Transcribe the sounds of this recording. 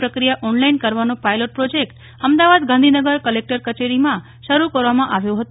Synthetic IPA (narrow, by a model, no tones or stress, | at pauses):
pɾəkɾijaʔɔnlainkəɾʋanõpajloʈ̚pɾod͡ʒek̚ʈ | əmd̪aʋad̪ɡʱãnd̪ʱinəɡəɾkəlek̚ʈəɾkət͡ʃeɾimã | ʃəɾukəɾʋamãʔaʋjõɦət̪